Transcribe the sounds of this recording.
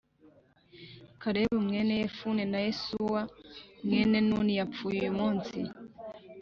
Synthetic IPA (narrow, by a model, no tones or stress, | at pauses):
kaɾeβumŋenejefunenajesuwamŋenenunijafujujjumuːnsḭ